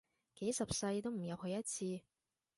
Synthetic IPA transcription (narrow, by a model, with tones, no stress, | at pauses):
ke˨˥jsɐ˨p̚sɐ˧jt̪o˥wm̩˨˩jɐ˨˧whɵ˨˧ɥjɐ˥t̚t͡sʰiː˧